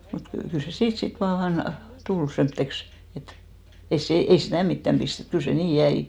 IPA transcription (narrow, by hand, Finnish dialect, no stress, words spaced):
mut ky kyl se siːt sit ʋɑːn tul semtːeks et ei se ei sitæˑ mitːæm b̥istet kyl se niː jæi